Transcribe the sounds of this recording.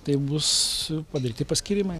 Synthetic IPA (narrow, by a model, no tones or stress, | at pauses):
t̪ɐɪbʊspɐd̪ɐɾʲiːt̪ʲɪpɐsʲkʲiɾʲimɐɪ